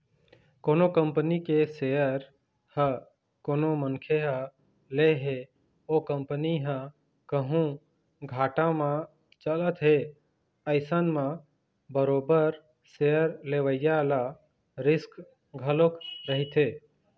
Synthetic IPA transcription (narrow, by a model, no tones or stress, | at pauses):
koːnokəmpnikesejəɾ | hə | koːnoməŋkʰeɦə | leɦe | okəmpəniɦə̃ | kəɦũ | ɡʱaːʈãmã | t͡ʃələt̪ɦe | əɪsənmã | bəɾoːbəɾ | seəɾleʋəjala | ɾɪsk | ɡʱəlokɾəɦit̪ʰe